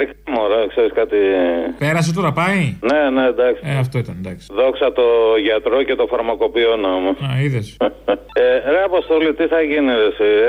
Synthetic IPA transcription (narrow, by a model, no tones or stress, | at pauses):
ɾikɐmoɾɐkseɾiskɐt̪ipe̞ɾɐs̬et̪̬oɾɐpɐinened̪ɐksi̥eɐft̪o̞it̪ɐnnd̪ɐksi̥ðo̞ksɐt̪o̞ʝɐt̪ɾo̞ce̞t̪o̞fɐɾmɐko̞pionomosɐiðes | eɾeɐposθolit̪iθɐʝiniɾesi